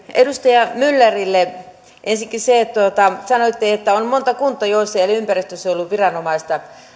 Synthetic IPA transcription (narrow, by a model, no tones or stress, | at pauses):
edust̪ɑjɑmylːerilːe | ʔensikːiseˑt̪uot̪ɑsɑnoit̪ːiːet̪ːæonmont̪ɑkunt̪ːˑɑjoisːɑelympærist̪øsolːuʋʋirɑnomɑist̪ɑ